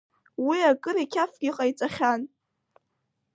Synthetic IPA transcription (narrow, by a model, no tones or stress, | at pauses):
wiakʼɨɾikʲʰafɡʲiqʼajt͡sʼaχʲan